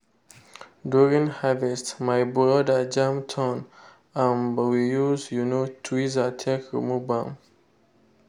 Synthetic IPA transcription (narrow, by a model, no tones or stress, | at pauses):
duɹĩŋhavɛstmajbɹɔdad͡ʒãmtʰɔ̃n | ãnbwijuzjunotʰwizatʰekɹḭmubãm